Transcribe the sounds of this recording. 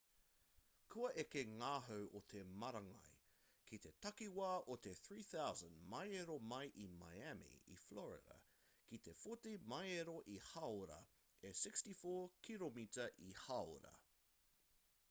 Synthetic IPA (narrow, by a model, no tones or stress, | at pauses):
kʰuɐʔekeŋaːɦowʔot̪ʰemɐɾɐŋɐ̰j | kʰit̪e̞tɐkiwaːʔot̪eθɹiːθawzə̃ndmɐjeɾomɐjʔima̰jæmḭḭflɔɹɪ̰ɾɐ̰ | kit̪e̞fotimɐjeɾoʔihawɾɐ̰ | esɪkstifoːkʰilomitɐʔihawɾɐ̰